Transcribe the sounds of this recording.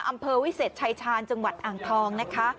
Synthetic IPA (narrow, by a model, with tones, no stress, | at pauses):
ʔa˧mpʰɤː˧wi˦˥seː˨˩t̚t͡ɕʰa˧jt͡ɕʰaː˧nt͡ɕa˧ŋwa˨˩t̪̚ʔaː˨˩ŋt̪ʰɔː˧ŋna˦˥kʰa˦˥